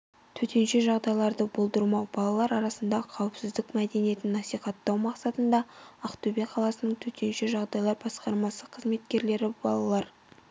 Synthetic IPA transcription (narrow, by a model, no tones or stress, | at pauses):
t̪ʰɵt̪e̞nʃe̞ʒɑʁd̪ɑjlˠɑɾd̪əbolˠd̪əɾmɑwbɑlˠɑlˠɑɾɑɾɑsənd̪ɑqʰɑwəpsɪzd̪ɪkmæd̪e̞nije̞t̪ɪnːɑsijχɑt̪ːɑwmɑqsɑt̪ənd̪ɑɑqt̪ʰɵbeqʰɑlˠɑsənəɴt̪ʰɵt̪e̞nʃeʒɑʁd̪ɑjlˠɑɾbɑsqɑɾmɑsəqʰəzme̞t̪̚kʲe̞ɾle̞ɾɪb̥ɑ̰lˠɑlˠɑɾ